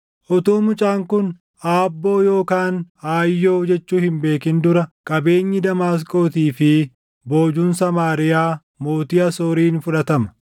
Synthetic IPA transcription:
ʔɔt̪uːmʊt͡ʃʼaːŋkʊn | ʔaːbːo̞ːjo̞ːkaːnaːjːoːd͡ʒɛt͡ʃːuːhɪmbe̞ːkɪnd̪ʊɾɐkʼɐbe̞ːɲːɪd̪ɐmaːs̬kʼo̞ːt̪iːfɪ | bo̞ːd͡ʒuːnsɐmaːɾɪjaː | mo̞ːt̪ɪjɐsoːɾiːnfʊᶑɐt̪ɐmɐ̥

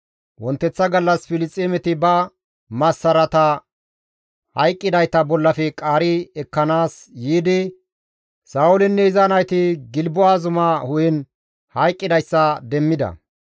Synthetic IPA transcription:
wɔnt̪ːɛt͡sːɐɡɐlːɐsfɪlɪt͡sʼːeːmɛt̪ɪbɐ | mɐsːɐɾɐt̪ɐ | hɐjkʼːɪd̪ɐjt̪ɐbɔlːɐfɛkʼaːɾɪɛkːɐnaːs | jiːd̪ɪ | saːwʊlɛnːɛɪzaːnɐjt̪ɪɡɪlbʊwaːzʊmɐhʊjɛn | hɐjkʼːɪd̪ɐjsːɐd̪ɛmːɪd̪ɐ̰

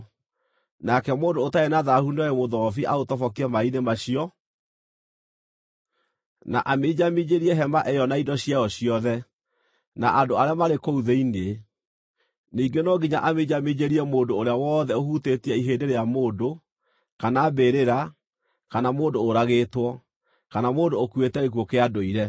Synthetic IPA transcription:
nakɛmoːndoːtaenaðahuniɔemoðɔfiʔa̰otɔfɔk̬iɛmainemaɕiɔ | na̰ʔamed͡ʑamiɲeɾiɛɦɛmaʔɛjɔnaidɔɕiaɔɕiɔðɛ | na̰ʔandoaɾeamaɾekouðeine | niːɡenɔɡiɲaʔameɲamiɲeɾiɛmoːndoːɾeawɔːðɛohutetiɛiɦeːndeɾeamoːndo | kanaːbeɾeɾa | kanamoːdoːɾaɣeːtwɔ | kanamoːndoːkwetɛɣekokeadoiɾɛ

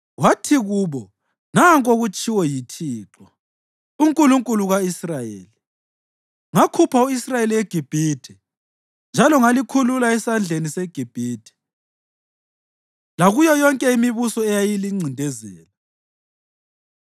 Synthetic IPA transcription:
watʰiɣuːβɔ | naŋkʼoɣut͡ʃʼiwɔjitʰiːǁɔ | uŋkʼuluŋkʼuluɣaisrajḛːli | ŋakʰupʰauisrajeliwɛɡ̥ʱib̥ʱiːtʰɛ | nd͡ʒʱalɔŋalikʰululaɛsand͡ɮʱenisɛɡ̥ʱib̥ʱiːtʰɛ̥ | laɣujɔjɔŋkʼɛimiβusɔɛjajiliŋ͡ǀʱindʱɛzɛːla

